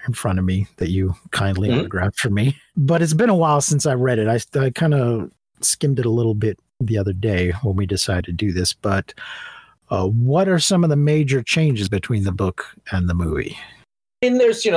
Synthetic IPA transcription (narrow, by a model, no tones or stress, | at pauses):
ɨ̃nfɹʌ̃ɾ̃ʌvmiðɨt͡ʃɨkʰãɪ̃ndˡliʌ̃nə˞ɡɹæftfə˞mi | bʌɾɨts̬b̥ɨ̃nəwaɪlˠsɪ̃nsaɪɹɛɾɨɾaɪaɪkʰãɪ̃ndə | skɪ̃mdɨɾəlɪɾl̩ˠbɪt̪̚ðiʌðə˞deɪwə̃nwidɨsaɪɨd̚tʰɨdɨðɪsb̥ʌt̚ | ʌwʌɾə˞sʌ̃mʌvðəmeɪd͡ʒə˞t͡ʃʰẽɪ̃nd͡ʒɨzbɨtʰw̥ĩnðɨbʊkɨ̃nðəmṵvḭ | ɪ̃nðə˞zjɨno